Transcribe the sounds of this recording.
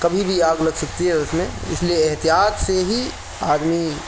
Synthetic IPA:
kɐbʱibʱiaːɡlɐɡsɐk̚t̪iɦɛʊsmẽɪ̰slieːɦt̪ijaːt̪seɦi | aːd̪mi

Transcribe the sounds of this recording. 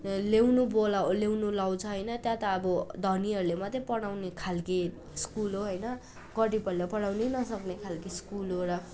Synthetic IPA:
lewnubolalewnulaw̃t͡sʰʌɦʌjnʌt̪jãt̪ʌːbʌd̪ʱʌniʌɾulemʌt̪jepʌɽ̃awnekʰalki | skulɦoɦʌjnʌ | kʌʈipʌlepʌɽ̃awnenʌsʌknekʰalkiskulɦoɾʌ

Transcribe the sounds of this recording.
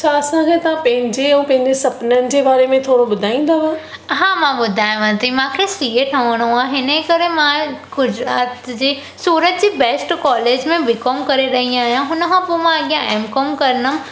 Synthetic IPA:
t͡ɕʰaɐsãkʰet̪ɐʋãpɐ̃ɦɪ̃ɲd͡ʑeɛ̃pɐ̃ɦɪ̃ɲd͡ʑesɐpnənɪ̆d͡ʑeːbaːɾemẽt̪ʰoːɽoɓʊd̪ʱaːĩːnd̪aːʋãː | ɦãːmãɓʊd̪ʱaːj̃ʋãt̪ʰimãːkʰesiːeʈʰɐʋəɽ̃õãɦɪnəkɐɾemãɡʊd͡ʑɾaːt̪d͡ʑeː | suːɾət̪d͡ʑiːbɛsʈkɔːleːd͡ʑmẽʋɪkomkɐɾeɾɐɦĩaːɦjãɦʊnəkʰãpomãɐɠijãʔeːmkɔmkɐɾnə

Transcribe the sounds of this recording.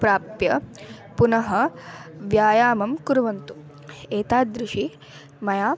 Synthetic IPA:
pɾaːpjɐpunɐɦɐʋjaːjaːmɐmkuɾuʋɐnt̪u | eːt̪aːd̪ɾɪʂi | mɐjaː

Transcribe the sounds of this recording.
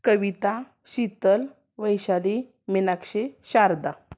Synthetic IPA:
kəʋit̪a | ɕit̪əl | ʋəjɕali | minakɕeɕaɾd̪a

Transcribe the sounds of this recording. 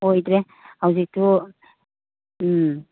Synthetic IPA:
ojd̪ɾe | hawzik̚tʰu

